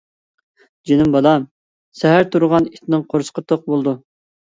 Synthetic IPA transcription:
d͡ʒenɪmbɑlˠɑ | sɛɦæɾt̪ʰuɾʁɑnit̪ʰɪnɨŋqʰoɾsqət̪ʰoq̚bolˠd̪u

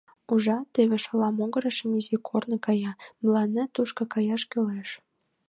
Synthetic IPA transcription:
uʒɑt̪eβeʃolɑmoɣəɾəʃəmyzikʰornɤkɑjɑmlɑnə̆t̪uʃkɤ̆kɑjɑʃkøleʃ

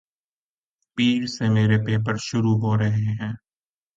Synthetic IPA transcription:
piːɾsemeːɾepeːpəɾʃʊɾuɦoɾɐɦeɦɛ̃ː

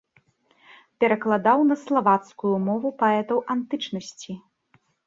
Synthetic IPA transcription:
pʲɛɾɐklˠad̪awnɐslˠavat̪skujumɔvupaɛt̪ɐwʔant̪ɨt͡ʂnɐsʲt͡sʲi

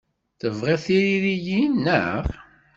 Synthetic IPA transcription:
θəvʁeθiɾiɾijinːə̰ʁ

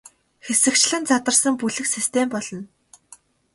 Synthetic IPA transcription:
xesɘ̆kt͡ɕɮɘ̆nt͡sat̪ə̆rsə̆mpuɮɘ̆ksist̪ʰempɔɮ̥ɞ̆n

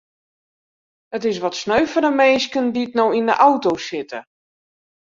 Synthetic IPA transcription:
ətɪs̬ʋɔtsnøɥfədəmeːskənditnowindəʔawtosɪtə̰

